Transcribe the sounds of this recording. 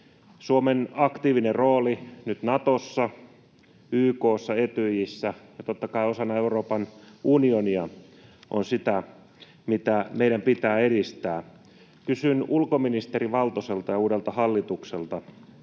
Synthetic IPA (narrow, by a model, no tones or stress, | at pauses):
suomenɑkt̪iːʋineroːlinyt̪nɑt̪osːɑ | yːkoːsːɑet̪yjisːæjɑt̪ot̪ːɑkɑiosɑnːɑeuroːpɑnunioniɑ | ʔo̰nsit̪æ | mit̪æmeiɾæmpit̪æːeɾist̪æː | kysynulkominist̪eriʋɑlt̪oselt̪ɑjɑuːdelt̪ɑhɑlːit̪ukselt̪ɑ